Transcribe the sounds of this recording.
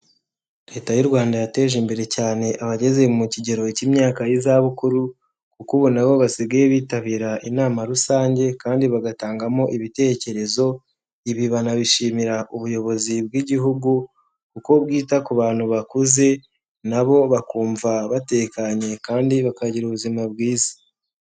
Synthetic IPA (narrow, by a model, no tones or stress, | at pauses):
ɾe̞ːtajuɾɡwaːndajate̞ːʒimbe̞ɾe̞caːne̞ʔaβaɟe̞ze̞muciɟe̞ɾo̞icimɲaːkajizaβukuɾu | kukuβonaβo̞βasiɡajeβiːtaβiːɾaʔinaːmaɾusaːɲɟe̞kaːndiβaɡataːŋɡamo̞ʔiβite̞ːce̞ɾe̞zo̞ | iβiβanaβiʃiːmiɾaʔuβujo̞βo̞zibɡiɟiɦuɡu | kuko̞βɡiːtakuβaːn̥huβakuze̞ | naβo̞βakuːɱvaβate̞kaɲe̞kaːndiβakaɟiɾuβuzimab̚ɡiːzi̥